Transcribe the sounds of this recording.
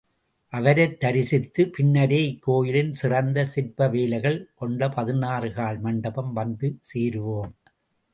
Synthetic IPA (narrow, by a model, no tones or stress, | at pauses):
ʔɐʋɐɾɐɪt̪ːɐɾɪsɪt̪ːɯpɪnːɐɾeːɪkːoːjɪlɪnsɪrɐnd̪ɐsɪɾpɐʋeːlɐɪɣɐɭkɔɳɖɐpɐðɪnaːrɯɣaːɭmɐɳɖɐbɐmʋɐnd̪ɯseːɾɯʋoːm